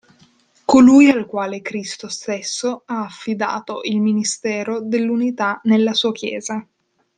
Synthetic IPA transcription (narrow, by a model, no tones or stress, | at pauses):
kolujalkwaːlekɾist̪ost̪esːoaːfːid̪a̰ːt̪oʔilminist̪ɛːɾod̪elːunit̪anelːasuːakjɛ̰ːza